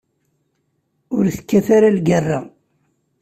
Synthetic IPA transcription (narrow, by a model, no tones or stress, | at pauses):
ʊɾθə̥kːæfaɾalɡərˤːa